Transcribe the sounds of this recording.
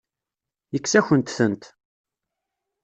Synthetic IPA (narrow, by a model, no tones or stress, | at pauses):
jəkːsæçənt̪θənt̪